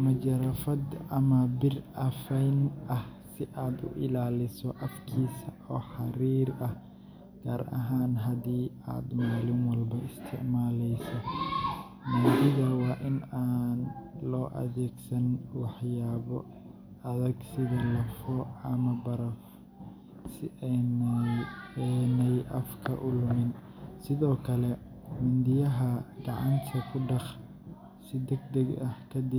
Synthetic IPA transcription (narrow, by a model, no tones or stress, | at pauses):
mɐd͡ʒɐɾɐfɐd̪ɐmɐbɪrɐfɛjnʔɐhsɪʔaːd̪ʊ̰ʔɪ̰laːlɪsɔʔɐfkʰiːsɐ | ɔːħɑɾiːɾɐh | ɡ̥ʰaːɾʔɐ̰ɦaːnɦɐd̪iː | a̰ːd̪maːlɪŋwɑlbɐʔɪst̪ʰɪ̰ʕmaːlɛjsɔ | maːd̪ɪðɐwɑːʔɪnaːnlɔːʔɐ̰ðɛːɡsɐnwɑħjaːβɔ | ɐðɐɡsɪðɐlɐfɔɐmɐbɐɾɐf | sɪn | ɛnɛjʔɐfkʰɐ̰ʔʊlʊmɪn | sɪðɔːkʰɐlɛmɐnd̪ɪjɐɦɐɡ̥ɑʕɑ̰nt̪ʰɐkʰʊɖɑχ | sɪd̪ɛɡd̪ɐɡɐhkʰɐd̪ɪ